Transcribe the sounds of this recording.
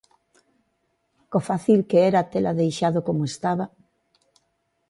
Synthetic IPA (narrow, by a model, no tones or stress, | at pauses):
kofaθilkeeɾat̪elaðejʃaðokomoest̪aβa